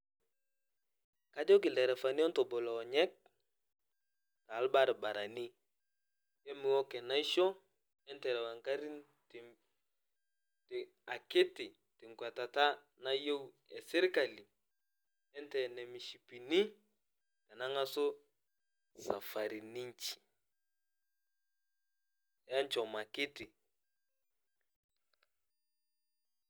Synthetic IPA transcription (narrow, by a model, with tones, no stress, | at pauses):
ka˦d͡ʒɔ˦k̬ɪ˨lɛ˨ɾɛ˨fa˨ni˦ɔ˦ntɔ˨bɔ˨lɔ˨ɲɛ˦k̚ | ta˨˦lba˦ɾba˨ɾa˨ni˦ | jɛ˦mɪ˨wɔ˦kɛ˨na˦i˦ʃɔ˦ | ɛ˦ntɛ˨ɾɛ˨wa˨ŋka˦ɾi˦n | t | t | a˨kɪ˦tɪ˨ | tɪ˨ŋkwa˨ta˨ta˦ | na˦je˦u˦ | ɛ̰˨sɛ˦ɾi˦ka˨li˨ | ɛ˦n˦tɛ˨nɛ˨mi˨ʃi˨pi˨ni˦ | ta˨na˦ŋa˦so˦ | sa̰˨fa˨ɾi˨ni˦ɲ˦t͡ʃi̥˨ | ja˦n˦t͡ʃɔ˨ma˨kɪ˦tɪ˨